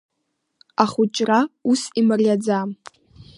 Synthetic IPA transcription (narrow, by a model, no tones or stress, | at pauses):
aχʊt͡ʃʼrausimarʲad͡zam